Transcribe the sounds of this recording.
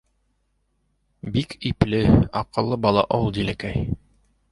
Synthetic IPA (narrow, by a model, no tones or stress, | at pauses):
bikʰiplɘɑqɤ̆lˠːɤbɑlˠɑ̰ʔolˠd̪ilækæj